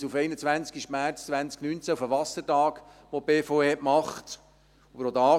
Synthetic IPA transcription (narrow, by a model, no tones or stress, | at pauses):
sufeɪnət͡sʋænt͡skiʃmæɾt͡st͡sʋænt͡sknynt͡sæufəʋɑsəɾtɑːkʋobeːfoeɛʔmɑχt | ɑbəɾod̪ɑː